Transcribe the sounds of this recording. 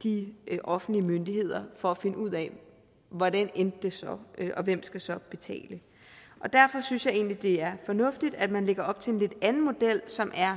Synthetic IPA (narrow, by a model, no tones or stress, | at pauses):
d̥iʔɒ̽fn̩dliəmønd̥ihe̝ð̰ˠɐfɒ̽æfe̝nəuð̞̰ˠɛ | ʋɒɾænend̥ːe̝sɒ̽øʔɒ̽ʋem̰sɡ̥æsɒ̽b̥e̝t͡sʰɛ̰ːlə | ʔɒ̽d̥æɐ̰fɒ̽synsjɑ̈ɪe̝̰ːnlid̥e̝æɐfɒ̽nɔ̽fd̥id̥æd̥mænle̝ɡ̥ɐɒ̽b̥̚t͡sʰe̝enle̝d̥ænn̩mo̝d̥el̰sɒ̽mʔæɐ